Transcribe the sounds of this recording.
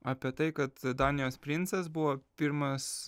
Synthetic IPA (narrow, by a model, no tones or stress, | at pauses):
ɑpʲiɛt̪ɐɪkɐt̪d̪ɑːnʲɪjoːspʲɾʲɪntsɐsbʊʋoːpʲɪɾmɐs